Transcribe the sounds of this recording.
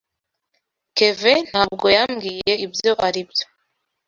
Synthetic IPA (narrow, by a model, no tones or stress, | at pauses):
ke̞ven̥haːb̚ɡo̞jamɡiːje̞ibjo̞ʔaɾibjo